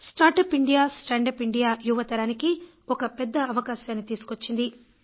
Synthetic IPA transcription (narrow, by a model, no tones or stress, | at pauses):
sʈaːɾʈɐːpiɳɖijaːsʈɐɳɖɐpiɳɖijaːjuʋɐt̪ɐɾaːniki | ɔkɐpɛd̪ːɐɐʋɐkaːʃaːnit̪iːsu̥kot͡ʃːind̪i